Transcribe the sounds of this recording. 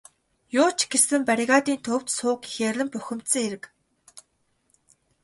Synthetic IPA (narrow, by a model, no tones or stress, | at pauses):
jʊːt͡ɕɡesɘ̆mpaɾʲiɣaːt̪iːnt̪ʰɵw̥t̪sʊːkixʲerɮɘ̆mpœxʲɪ̆mt̪sɘ̆ŋeɾɘ̆k